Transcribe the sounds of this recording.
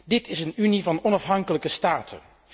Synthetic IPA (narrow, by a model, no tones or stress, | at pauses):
dɪtɪsənynivɑnɔnɑfɦɑŋkələkəstaːtʰə̰n